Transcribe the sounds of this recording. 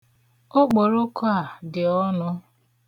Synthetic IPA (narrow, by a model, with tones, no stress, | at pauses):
o˦k͡po˨ɾo˦kʊ˦a˨dɪ˨ɔ˦nʊ˦